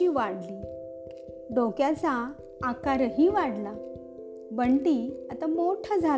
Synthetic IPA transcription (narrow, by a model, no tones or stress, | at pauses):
iːʋaɽli | ɖokjat͡saː | kaɾəɦiːʋaɽla | bəɳʈiat̪amoʈʰad͡zʱa